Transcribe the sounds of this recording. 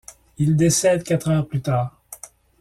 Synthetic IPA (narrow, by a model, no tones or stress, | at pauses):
ild̪esɛd̪kat̪χœʁplyt̪aːʁ